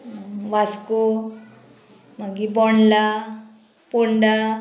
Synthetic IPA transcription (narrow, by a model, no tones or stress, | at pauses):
ʋasko | maɡibɔɳla | poɳɖa